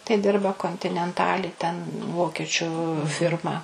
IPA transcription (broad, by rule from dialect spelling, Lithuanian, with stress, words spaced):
tɐɪ ˈdʲɪrbɐ koːnʲtʲɪnʲɛnˈtɑːlʲɪ tʲɛn ˈʋoːkʲiɛt͡ʃʲʊ ˈfʲɪrmɐ